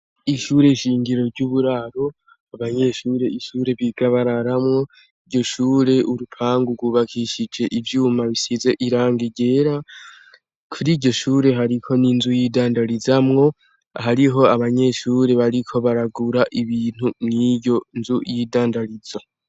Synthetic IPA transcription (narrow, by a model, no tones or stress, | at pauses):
iʃuːɾe̞iʃiːŋɡiɾo̞ɾɟuβuɾaːɾo̞ | aβaɲe̞ʃuːɾe̞iʃuːɾe̞βiɡaβaɾaɾamŋo̞ | iɾɟo̞ʃuːɾe̞ʔuɾupʰaːŋɡuɾɡwuːβakʰiːʃid͡ʒe̞ʔivjuːmaβisize̞ʔiɾaːŋɡiɟe̞ːɾa | kʰuɾiɟo̞ʃuːɾe̞ɦaɾikʰo̞ninzujiːdaːndaɾizamŋo̞ | ɦaɾiɦo̞aβaɲe̞ʃuːɾe̞βaɾikʰo̞βaɾaɡuɾaʔiβiːn̥hunnijo̞nzujiːdaːndaɾiza